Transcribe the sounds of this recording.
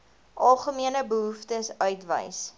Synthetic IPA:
ʔɐlˠχəmiənəbəɦuftəsœɥtvə̰js

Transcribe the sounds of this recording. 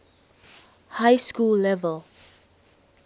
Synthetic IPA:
hajskulːɛvəl

